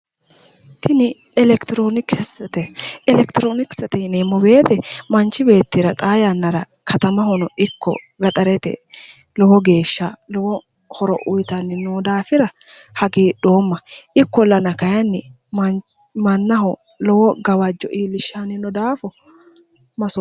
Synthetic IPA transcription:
t̪ʰɪnɪ | ɛlɛkt̪ɪɾoːnɪksɛt̪ɛɛlɛkt̪ɪɾoːnɪksɐt̪ɛɪnemːɔbe̞ːt̪ɛmɐnt͡ʃːɪbe̞ːt̪ːɪɾɐt̪ʼaːjanːɐɾɐ | kʰɐt̪ɐmɐhɔnɔʔɪkːɔ̰ | ɡɐt̪ʼɐɾɛt̪ɛ̰ | lɔwɔɡe̞ːʃːalɔwɔ | hɔɾɔ̰ʔʊjt̪ɐnːɪnoːd̪aːfɪɾɐ | hɐɡeːɗo̞ːmːɐʔɪkːɔlːɐnɐkɐjɐnːɪ | mmɐnːɐɦɔ | lɔwɔɡɐwɐd͡ʒːɔ̰ʔiːlɪʃːanɪnɔd̪aːfɔ | mɐsɔ

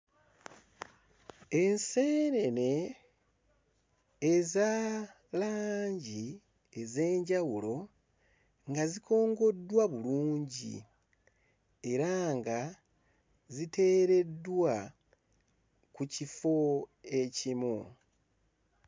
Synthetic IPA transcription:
e̞nseːɾene̞ | za | laːɲɟi | eze̞ːɲɟawulo̞ | ŋɡazikʰo̞ːŋɡo̞dːwaβuluːɲɟḭ | e̞ɾaŋɡa | zite̞ːɾe̞dwa | kucifo̞e̞cimu

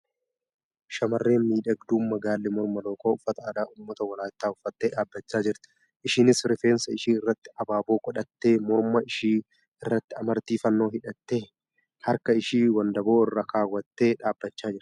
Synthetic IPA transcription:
ʃɐmɐrːeːnmiːᶑɐɡd̪uːmmɐɡaːlːɛmɔɾmɐlo̞ːko̞ːʊfːɐt̪ɐːd̪aːʔʊːmːɐt̪ɐwɐlaːt̪ːaːʊfːɐt̪ːeːᶑaːbːɐt͡ʃːaːd͡ʒɪɾt̪ɪ̥ | ʔɪʃɪnɪsɾɪfeːnsɐɪʃiːɪrːɐt̪ːɪ̥ɐbaːboːkʼɔᶑɐt̪ːe̞ːmɔɾmɐɪʃiː | ɪrːɐt̪ːɪɐmɐɾt̪iːfɐnːo̞ːhɪᶑɐt̪ːe̞ː | hɐɾkɐɪʃiːwɐnd̪ɐbo̞ːɪrːakaːwːɐt̪ːe̞ːᶑaːbːɐt͡ʃːaːd͡ʒɪɾ

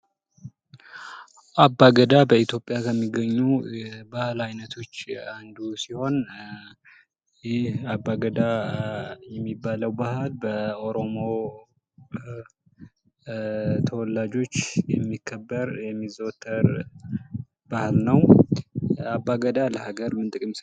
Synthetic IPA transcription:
ʔabːaɡəd̪abəit̪ʰjo̞pʼːjakʰəmːiɡəɲːubahlajnət̪ʰo̞t͡ʃːand̪usiho̞n | jɪhabːaɡəd̪a | jɛmːibːaləwbahlbəo̞ɾo̞mo̞ | t̪ʰəwɔlːad͡ʒo̞t͡ʃːjɛmːikʰːəbːəɾjɛmːizo̞t̪ʰːəɾ | b̥ahlnəw | abːaɡəd̪aləhaɡəɾmɨnt̪ʼɨkʼɨms

